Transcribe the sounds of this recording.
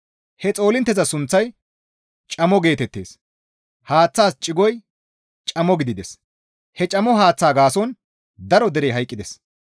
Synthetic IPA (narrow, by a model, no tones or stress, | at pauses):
hɛt͡sʼo̞ːlɪnt̪ːɛzɐsʊnt͡sːɐj | t͡ʃʼɐmɔɡe̞ːt̪ɛt̪ːe̞ːs | haːt͡sːaːst͡ʃʼːɪɡɔj | t͡ʃʼɐmɔɡɪd̪ɪd̪ɛs | hɛt͡ʃʼɐmɔɦaːt͡sːaːɡaːsɔn | d̪ɐɾɔd̪ɛɾejɦɐjkʼːɪd̪ɛs